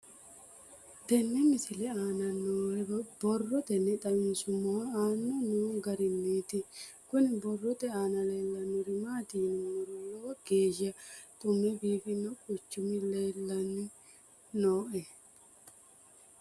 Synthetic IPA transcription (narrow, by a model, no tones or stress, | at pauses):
d̪ɛnːɛmɪsɪlɛaːnɐnːoːɛbɔrːɔt̪ɛnːɛt̪ʼɐmɪnsʊmːɔwaaːnːɔnuːɡɐɾɪnːeːt̪ɪkʊnɪbɔrːɔt̪ɛaːnɐle̞ːlːɐnːʊɾɪmaːt̪iːnmɾloːɡ̥e̞ːʒɪɐt̪ʼʊmːɛbiːfɪnːɔkʼʊt͡ʃːʊmɪleːlːɐnːɪ | noːʔɛ